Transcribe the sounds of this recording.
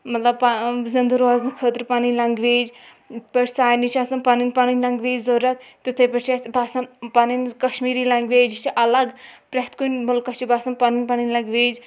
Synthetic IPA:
mɐt̪lɐb̚pazɪnd̪uɾoːznɨkʰət̪ɾpaːnilɐŋɡʋeːd͡ʒ | pɐɾsaːjnit͡ʃʰaːsɐnpaːninpaːninʲlɐŋɡʋeːd͡ʒzoɾɐt̪t̪ɨt̪ʰepɐt͡ʃʰesbaːsɐnpaːninkɐʃmiːɾilɐŋɡʋeːd͡ʒt͡ʃʰiʔɐlɐɡpɾɐɦt̪kunbɐlkɐt͡ʃibaːsɐnpaːninpaːninlɐŋɡʋeːd͡ʒ

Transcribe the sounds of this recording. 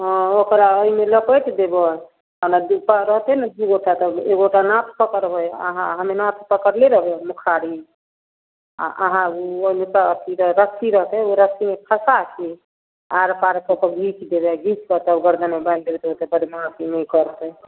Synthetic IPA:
ɔ̃okɾaəimeləpəjt̪d̪ebə | anad̪upəɾəɦt̪ɛnad̪uɡoʈat̪ɔeɡoʈanat̪ʰpəkəɾbəjə̰ɦã̰ɦəmenat̪ʰpəkəɾleɾəɦbemukʰaɾi | a̰ʔə̰ɦãuoimepaət̪ʰiɾɾəksʰiɾəɦt̪ɛoɾəksimepʰəsakʰi | aɾpaɾkɔpəɾɡʱit͡ʃd̪ebɛɡʱit͡ʃkət̪əbɡəɾd̪ənmeband̪ebɛt̪ot̪ebəɾimapʰinɛkəɾt̪ə

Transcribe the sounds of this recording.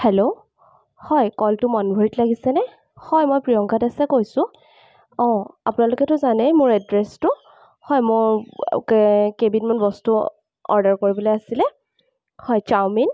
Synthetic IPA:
hɛlo | hɔjkɔltʊmɔnbʱuɹitlaɡisɛnɛ | hɔjmojpɹijɔŋkatasɛkojsʊ̃ | ɔ̃a̰pʊnalʊkɛtʊzanɛjmʊɹɛdɹɛstʊ | hɔjmʊɹkkebitmanbɔstu | ɔ̰ɹdaɹkoɹibɔlojasilɛ | hɔjt͡ʃawmin

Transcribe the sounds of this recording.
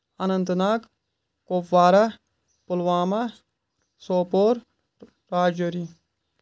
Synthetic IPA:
ɐnɐnt̪naːk | koːpʋaːɾa | pulʋaːmɐ | soːpoːɾ | ɾaːd͡ʒɐɾi

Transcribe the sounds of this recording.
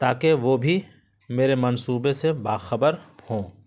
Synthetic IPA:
t̪aːkeʋoːbʱi | meːɾemɐnsuːbesebaːxəbəɾhõː

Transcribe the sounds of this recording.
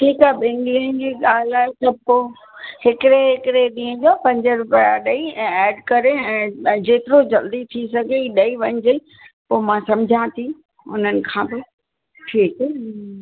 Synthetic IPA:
ʈʰiːkaːɦɓẽːŋɡliənd͡ʑiːɠaːl̤aːɦet̪ɐb̚ko | ɦɪkɪɾeɦɪkɪɾeɗĩːə̃d͡ʑopɐ̃ɲd͡ʑəɾʊpjaɗɐiɛ̃ɛːɖkɐɾeɛ̃ːd͡ʑeːt̪ɪɾod͡ʑɐld̪it̪ʰisɐɡʱeiɗɐiʋɐɲɪd͡ʑe | poːmãsɐ̃md͡ʑʱãt̪ʰi | ʊn̤ənɪ̆kʰãːbɪ | ʈʰiːkː

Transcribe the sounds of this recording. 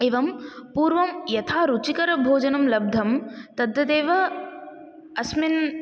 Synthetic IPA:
eːʋɐmpuːɾʋɐmjɐt̪ʰaːɾut͡ʃikɐɾɐbʱoːd͡ʒɐnɐmlɐb̚d̪ʱɐmt̪ɐd̪jɐd̪eːʋɐ | ɐsmin

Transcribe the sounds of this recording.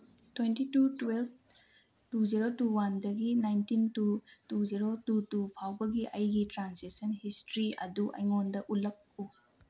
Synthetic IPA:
twentitutwelb̚ʰ | tuziɾotuwandɐɡinajntintutuziɾotutupʰawbɐɡiʔɐjɡitɾansesɐnhistɾiɐ̰duʔɐ̰jŋondɐʔulɐk̚u

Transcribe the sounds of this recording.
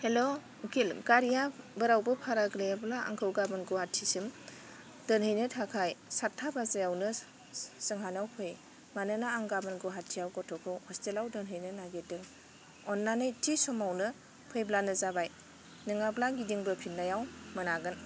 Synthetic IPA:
helo | ɡilɡaɾijabəɾawbɯpʰaɾaɡlejablaa̰ŋkʰɯwɡabɯnɡohatʰːisim | d̥ɯnhɯjnɯtʰakʰajsatʰːabazajawnɯ | sɯŋɦanawpʰɯj | manɯnaaŋɡabɯnɡɔɦatʰːijawɡɔtʰɔkʰɯwhɔstelawdɯnɦɯjnɯnaɡedɯŋ | ɔnːanɯjtʰisɔmawnɯ | pʰɯjblanɯzabaj | nɯŋablaɡidiŋbɯpʰinnːajawmɯnaɡɯn

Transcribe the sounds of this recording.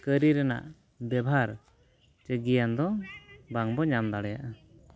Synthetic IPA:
kəɾiɾɛna̰ʔ | bɛbʱaɾ | t͡ʃəɡijand̪ɔbaŋbɔɲamd̪aɽɛjaʔa

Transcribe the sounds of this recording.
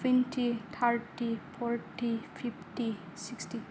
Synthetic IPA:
finʈʰit̪ʰaɾʈipʰɔɾʈipʰipʈisiksʈi

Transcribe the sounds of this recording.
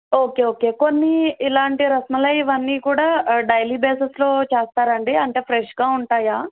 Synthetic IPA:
oːkeːoːke̞ːko̞nːiːlaːɳʈiɾɐsmɐlɐjiʋɐnːiːkuːɽaːɖɐjliːbeːsɐslo̞ːt͡ʃeːst̪aːɾɐɳɖiɐɳʈeːpʰɾeʂɡaːuɳʈaːjaː

